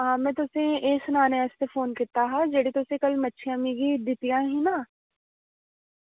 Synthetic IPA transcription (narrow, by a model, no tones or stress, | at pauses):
ɦãmẽːt̪ʊsẽeːsʊnaːneɛːst̪efoːnkɪɾt̪aɦɛd͡ʒɐɽit̪ʊsekɐlmɐtːʃʰiamiɡid̪ɪt̪ijãɦĩnaː